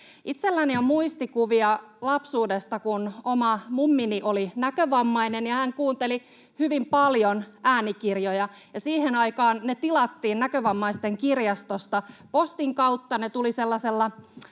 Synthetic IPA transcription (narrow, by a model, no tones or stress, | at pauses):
ʔit̪selːæniomuist̪ikuʋiɑlɑpsuːdest̪ɑkunomɑmumːiniʔolinækøʋɑmːɑinenjɑhæŋkuːnt̪eli | hyʋimpɑljonʔæːnikirjojɑ | jɑsiːhenɑikɑːnnet̪ilɑt̪ːiːnnækøʋɑmːɑist̪eŋkirjɑst̪ost̪ɑpost̪iŋkɑut̪ːɑnet̪uliselːɑselːɑ